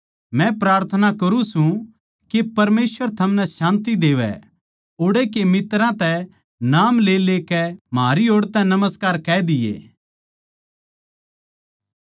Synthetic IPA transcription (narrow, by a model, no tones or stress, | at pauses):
mɛ̃pɾaːɾt̪ʰənakɐɾũsũ | kepɐɾmeːsʋəɾt̪ʰɐmnɛ̃ʃãːnt̪id̪eːʋɛ̰ | oːɽekemɪt̪ɾãt̪ɛ | naːmleːleːkɛmɦaːɾioːɽt̪ɛ̃nɐməskaːɾkɛːd̪ɪjḛː